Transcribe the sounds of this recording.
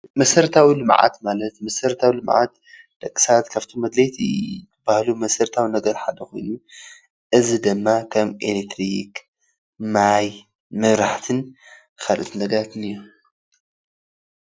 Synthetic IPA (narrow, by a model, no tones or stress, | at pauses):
mɐsɐɾt̪ʰawilɨmʕa̰t̪malɐt̪mɐsɐɾt̪ʰawilɨmʕa̰t̪ | d̪̥ɐkʼːi̥sat̪kʰaft̪ʰomɐd̪let̪ʰḭt̪ɨbahlumɐsɐɾt̪ʰawinɐɡɐɾħad̪ɐxo̞jnu | ʔɨzid̪ɨmːakʰɐmḛlek̚t̪ʰɾik | maj | mɐβɾaħt̪ʰɨn | xalʔɨt̪ʰɨnɐɡɐɾat̪ɨnɨjːo